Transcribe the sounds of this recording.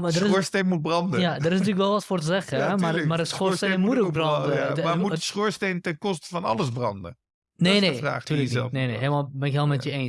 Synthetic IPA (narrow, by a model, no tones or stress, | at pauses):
madərɪsoɹstenmut̚brɑndəjadərɪsnatyːləkʋɛlˠʋɔtfoːrtəzɛxəɛmamardəsxostenmutoɡbrɑndəmamuəsxoːɹsteːntɛnkɔstəfɑnɑ̰ləsbrɑ̰ndə̰ | nenera̰ːxtyləɛlˠneneɦelˠmabɛnɪkɦeːlˠmɛtjəeːns